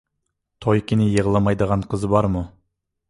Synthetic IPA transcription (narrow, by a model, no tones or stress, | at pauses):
t̪ʰojkʲʰɪnɪjəʁəlˠɑmɑjd̪əʁɑɴqʰəzbɑɾmʊ